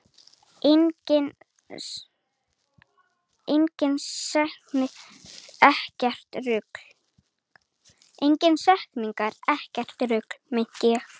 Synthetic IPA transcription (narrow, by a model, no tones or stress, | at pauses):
ɪ | ejɲcɪnɛhknɪ | ɛhcɛr̥t̪rʏkl | ejɲcɪnsɛhkniŋkaɾɛhcɛr̥t̪ɾʏklmɪn̥c̪ɪɛ